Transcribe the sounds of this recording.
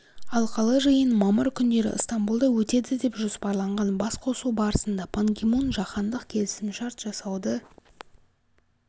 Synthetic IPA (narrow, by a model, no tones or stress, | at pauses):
ɑlˠqʰɑlˠəʒəjənmɑməɾkʲʰʏnd̪e̞ɾɪ̰əst̪ambulˠd̪ɑwɵt̪e̞d̪ɪd̪e̞pʒospɑɾlˠɑɴʁɑnbɑsqʰo̞subɑɾəsənd̪ɑpʰoŋɡʲemonʒɑqɑnd̪əqkʲʰe̞lɪsɪmʃɑɾt̪ʒ̥ɑsɑwd̪ə